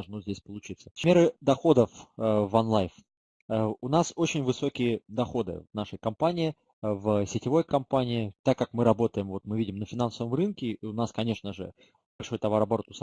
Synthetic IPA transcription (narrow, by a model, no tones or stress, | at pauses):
ʐnuzʲdʲesʲpəlˠʊt͡ɕit̪sə̥smʲe̞ɾɨd̪ɐxo̞d̪əfəvɐnlˠajf | əʊnaso̞t͡ɕɪnʲvɨso̞kʲɪjəd̪ɐxo̞d̪ɨ̰vnaʂəjkɐmpanʲɪːɪ | vəsʲɪtʲɪvo̞jkɐmpanʲɪɪt̪akːakmɨɾɐbo̞t̪əjɪmvo̞t̪mɨvʲidʲɪmnəfʲɪnansəvəmrɨnkʲɪʊnaskɐnʲe̞ʂnəʐɨ̰ | bɐlʲʂo̞jt̪ɐvaɾɐbɐɾot̪ʊs